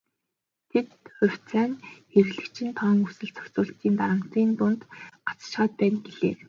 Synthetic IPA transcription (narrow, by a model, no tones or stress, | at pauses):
t̪ʰet̪ʊ̟w̥ʲt͡sʰæːnxerɣɮɘ̆kt͡ɕʰɪ̆nt̪ʰɔːŋusɘ̆ɮt͡sʰɔ̥kt͡sʊːɬt̪iːnt̪aɾə̆m̥t̪iːnt̪ʊnt̪ḁt͡sʃχaːt̪̚pæːnɡeɮeː